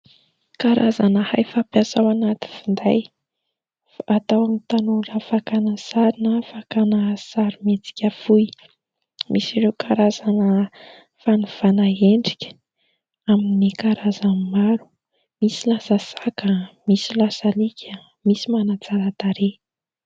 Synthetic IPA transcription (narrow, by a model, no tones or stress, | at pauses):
kaɾazanəha̰jfapjasawanat̪i̥find̪aj | faat̪awamit̪anurafakanəsaɾinəfakanəsaɾimet͡si̥kʲafuj | mʔisiɾewkʰaɾazanə | fanuv̥anaeɳɖ͡ʐikʲə̥ | aminikaɾazammaɾu̥ | misilasəsakəmisilasalikʲʰə | misimanat͡saɾat̪aɾe